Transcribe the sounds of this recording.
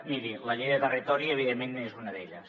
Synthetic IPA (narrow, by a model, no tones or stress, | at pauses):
miɾiləʎejðət̪ərit̪ɔɾiəβ̞iðemːenːoezunəðeʎəs